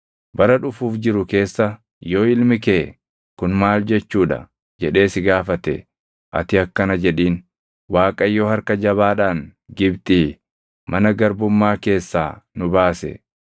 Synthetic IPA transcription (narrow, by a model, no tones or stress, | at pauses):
bɐɾɐᶑʊfuːfd͡ʒɪɾʊke̞ːsːɐ | jo̞ːɪlmɪkeː | kʊnmaːld͡ʒɛt͡ʃːuːᶑɐ̰ | d͡ʒɛᶑe̞ːsɪɡaːfɐt̪ɛ̰ | ʔɐ̰t̪ɪɐkːɐnɐd͡ʒɛᶑiːn | waːkʼɐjːoːhɐɾkɐd͡ʒɐβaːᶑaːnɡɪbt̪ʼiː | mɐnɐɡɐɾbʊmːaːke̞ːsːa̰ːnʊbaːsɛ̰